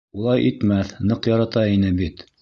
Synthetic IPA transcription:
ulˠɑjʔit̪mæθnɤqjɑɾɑt̪ɑinɘbit̪

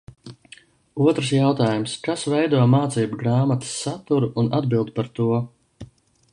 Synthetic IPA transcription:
uɔt̪ɾsjawt̪aːjumskasvɛjd̪uɔmaːt̪siːbuɡɾaːmat̪ə̥sːat̪uɾuʔunad̪bilˠd̪upaɾt̪uɔ

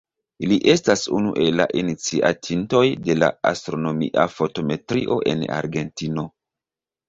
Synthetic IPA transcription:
iliʔe̞stasunuʔe̞lːa̰ʔinit͡siʔa̰tʰinto̞jde̞la̰a̰stɾo̞no̞miʔa̰fo̞to̞me̞tɾiʔo̞ʔe̞̰na̰ɾɡe̞ntino̞

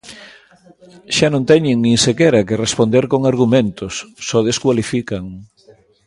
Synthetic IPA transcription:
ʃanõnt̪ɛɲeŋnĩŋsekɛɾakerespond̪eɾkoŋaɾɣumẽnt̪ʊsːɔð̞eskwalifikaŋ

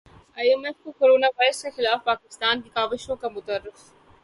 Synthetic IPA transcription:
aːjemefkokoɾoːnaʋaːɪɾəskexɪlaːfpaːkɪst̪aːnd̪iːkaːʋɪʃõkãmʊt̪ərːɪf

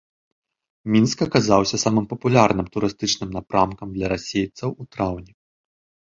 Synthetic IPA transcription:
mʲinskɐkazawsʲɐsamɨmpɐpulʲarnɨmt̪uɾɨst̪ɨt͡ʂnɨmnapɾʔamkɐmd̪lʲɐɾasʲejt̪sɐwut̪ɾawnʲɛ

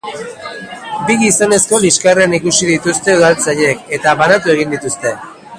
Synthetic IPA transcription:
biɣiso̞ne̞sko̞liskareanikusiðit̪ust̪e̞uðalt͡saʎe̞ke̞t̪aβanat̪ue̞ɣ̞ind̪it̪ust̪e̞

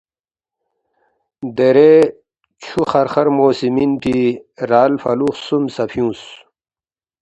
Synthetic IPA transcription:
d̪eɾe | t͡ɕʰuχɐɾχɐɾmoːsimint̪ʰiɾaːlfɐ̰luːχsumsɐpʰjũːs

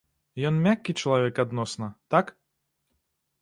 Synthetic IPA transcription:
jɔnmʲakʲːit͡ʂɐlˠavʲɛkad̪nɔsnɐt̪ak

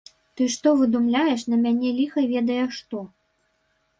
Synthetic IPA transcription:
t̪ɨʂt̪ɔvɨd̪umlʲajɛʂnɐmʲanʲɛlʲixɐvʲɛd̪ɐjɛʂt̪ɔ

